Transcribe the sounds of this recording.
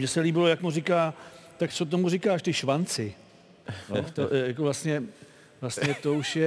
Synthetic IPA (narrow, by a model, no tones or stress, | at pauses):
ɲɛsɛliːbɪlo̞jakmurɪkaːt̪akt͡sot̪̬o̞murɪkaːʃt̪ɪʃvant͡sɪ | jot̪ojakovlast̪ɲɛ | vlasɲɛt̪ouʃjɛ